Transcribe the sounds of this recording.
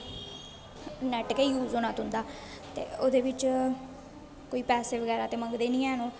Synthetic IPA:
nɛʈkeiːjuːzoːnaːt̪ɦʊ̃nd̪aː | t̪ḛːoːd̪eːʋɪt͡ʃ | koːiːpɛːseːʋəɡɛːɾaːt̪eːməŋɡd̪eːnĩːɛːnõː

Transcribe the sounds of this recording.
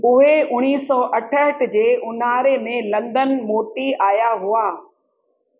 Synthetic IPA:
ʊɦeʊñiːsɔːʔɐʈʰəɦəʈʰd͡ʑeːʔʊnaːɾemẽlɐ̃nd̪ənmoːʈiaːjaɦʊaː

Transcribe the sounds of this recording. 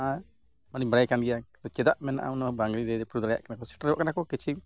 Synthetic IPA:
ʔa | manibaɽajkanɡɛja | ɔt͡ʃɛd̪aʔmɛna̰ʔa̰wnabaŋɡɾiɾɛɾɛpɾud̪alaja̰ʔkanakɔsi̥ʈɾɔʔkanakɔkit͡ʃʰi

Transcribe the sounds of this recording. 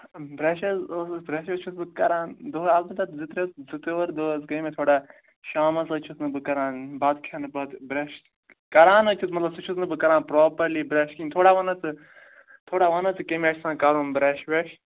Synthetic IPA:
bɾeːʃɐzosbɾeːʃet͡ʃʰusbɨkɐɾãːnd̪oːazbɐt̪ɐt̪zit̪ɾet͡szɪt̪eʋɐɾd̪oːzkɐimẽt̪ʰoːɽaː | ʃaːmɐzɐt͡ʃʰusnɨbɨkɐɾãːnbaːt̪kʰaːnɨbɐt̪bɾeːʃ | kɐɾaːnɐt͡ʃʰut͡smɐt̪lɐbsɨt͡ʃʰusnɨbɨkɐɾãːnpɾoːpɐɾliːbɾeːʃkiːnt̪ʰoːɽaːʋɐnɐt͡sɨ | t̪ʰoːɽaːʋɐnɐt͡sɨkemeːt͡ʃʰsãːkaɾuːnbɾɛːʃʋeːʃ

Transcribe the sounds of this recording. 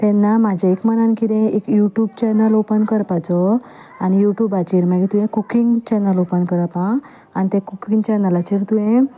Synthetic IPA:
t̪ɛnːamad͡ʑʱaekmənankid̪ẽekjuʈjuːbt͡ɕɛnəlopənkəɾpat͡sɔ | anijuʈjuːbat͡ɕiɾmaɡit̪ũjẽkukiŋɡt͡ɕɛnəlopənkəɾapã | anit̪ɛ̃kukiŋɡt͡ɕəɾnəlat͡ɕiɾt̪ũɦẽ

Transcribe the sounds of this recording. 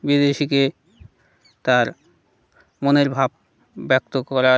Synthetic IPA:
bid̪eʃike | t̪aɾ | moneɾbʱab̚ | bɛk̚t̪okɔɾa

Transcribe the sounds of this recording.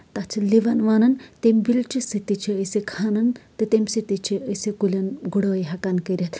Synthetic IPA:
t̪at͡ʃʰiliʋɐnʋaːnɐnt̪embilt͡ʃʰisit̪it͡ʃʰiəsekʰaːnɐnt̪ɨt̪emsit̪it͡ʃʰiəsekulʲɐnɡuɽəːjɦɐkankəɾʲet̪

